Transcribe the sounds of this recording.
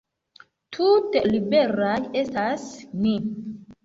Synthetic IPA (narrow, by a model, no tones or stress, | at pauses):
tʰutelibe̞ɾaje̞stasni